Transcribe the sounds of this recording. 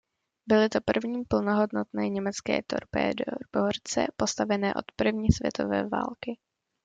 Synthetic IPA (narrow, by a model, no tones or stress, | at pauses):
bɪlɪt̪o̞pr̩vɲiːmpl̩no̞ɦo̞dno̞t̪nɛːɲɛmɛt͡skɛ̰ːt̪o̞̰ɾpɛ̰ːdbort͡sɛ̰po̞st̪avɛnɛːʔo̞̰t̪pr̩vɲiːsvjɛ̰t̪o̞̰vɛːva̰ːlkɪ